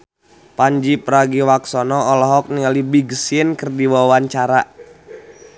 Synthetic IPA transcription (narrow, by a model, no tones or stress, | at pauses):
paɲd͡ʒipəɾaɡiwaksɔnɔːlɔɦɔk̚niŋalibiɡəsiənkərdiwawaɲt͡ʃaɾa